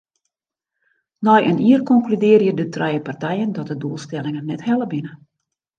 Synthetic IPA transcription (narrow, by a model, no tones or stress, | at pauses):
nɔjʔəniːərkɔŋklydɪərjədətrɛjəpartɛjəndɔt̚dəduəlˠstɛlɪŋənːɛthɛlˠəbinə